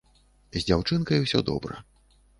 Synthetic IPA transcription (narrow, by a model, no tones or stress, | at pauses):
zʲd͡zʲawt͡ʂɨnkɐjwsʲɔ̰d̪ɔ̰bɾɐ̰